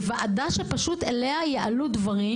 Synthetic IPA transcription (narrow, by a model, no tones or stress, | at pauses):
vaʔad̪aʃepaʃut̪elehajeʔalud̪vaʁi